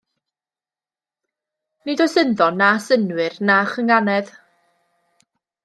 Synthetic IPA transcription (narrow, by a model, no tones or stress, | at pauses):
nidɔjsənðɔnasənwɨrnaχəŋanɛð